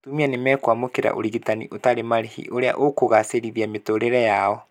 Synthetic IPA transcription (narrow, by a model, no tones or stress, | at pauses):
tumianemɛkwamokeɾa̰ʔo̰ɾiɣitanḭʔotaɾemaɾehḭʔoɾea̰ʔokoɣaseɾiðiametoɾeɾɛjaɔ